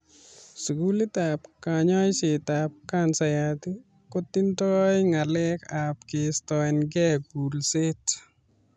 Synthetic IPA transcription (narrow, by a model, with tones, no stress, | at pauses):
su˨ɡu˦li˦tap̚kaɲɔ˦jsɪ˨t̪ap̚kansajat̪i˦ | kot̪ːintɔjŋa˨lɛ˦ka˨p̚kɪst̪ɔɪnɡɛ˦ɡu˨lse˦t